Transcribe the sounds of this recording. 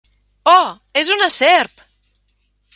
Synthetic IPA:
ɔ | ezunasɛɾp

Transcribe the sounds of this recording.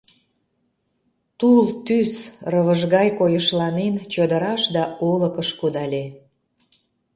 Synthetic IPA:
t̪ult̪ysrəβəʒɣɑjkojəʃlɑnent͡ɕəd̪əɾɑʃd̪ɑoləkəʃkud̪ɑlʲe

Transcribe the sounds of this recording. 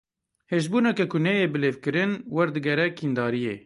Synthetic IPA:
heːʒ̬buːnɛkɛkʰʊnɛjeːbɨleːvkɨɾɨnwɛɾd̪ɨɡɛɾɛkʰiːnd̪ɑːɾijḛː

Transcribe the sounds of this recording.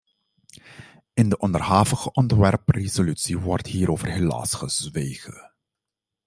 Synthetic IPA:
ɪndəʔɔndərɦaːvəɣəʔɔntʋɛrprezolytsiʋɔrthiːɾoːvərɦela̰ːsχəz̥ʋeːχə̰

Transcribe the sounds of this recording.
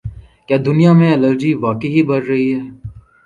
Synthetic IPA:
kjaːd̪ʊnijamẽɐləɾd͡ʒiʋaːkeɦibɐɾɾɐɦiɦɛː

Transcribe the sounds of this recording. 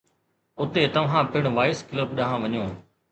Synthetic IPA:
ʊt̪et̪ɐʋ̤ɦãːpɪɽ̃ʋaːɪskləbɗɐɦãːʋɐɲõː

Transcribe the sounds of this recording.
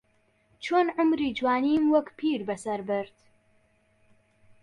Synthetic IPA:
t͡ʃʰoːnʕʊmɾiːd͡ʒwaːniːmwɐkpʰiːɾbɐsɐɾbɨɾt̪

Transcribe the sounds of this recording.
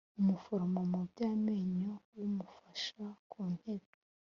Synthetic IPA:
umufoɾomamubɟaːmeːɲowumufaʃakʰuːn̥he̞b | e

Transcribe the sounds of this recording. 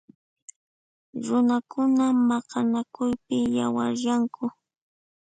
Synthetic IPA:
ɾʊnakʰʊnamɑqɑnakʊjpɪjawa̰ɾjaŋkʰʊ

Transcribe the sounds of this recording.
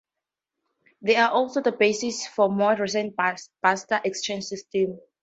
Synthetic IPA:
ðeaʔɔlˠsoðəbesɪsfɔmɔɹɹis̬ɛ̃npastəʔɛkst͡ʃẽnd͡ʒsɪstɛ̃m

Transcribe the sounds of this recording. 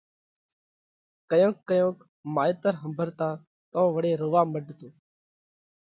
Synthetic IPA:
kəjõːkːəjõːk | maːjt̪əɾɦəmbʱəɾt̪aː | t̪õːʋəɽeːɾʊːʋaːməɖt̪oː

